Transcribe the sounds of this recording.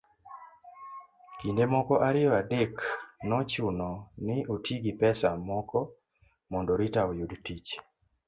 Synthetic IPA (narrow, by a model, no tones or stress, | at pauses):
kindemɔkɔʔaɾɪjɔadeknɔt͡ʃʊnɔnɪʔotiɡipɛsamɔkɔ | mɔndɔɾitaojudtit͡ʃ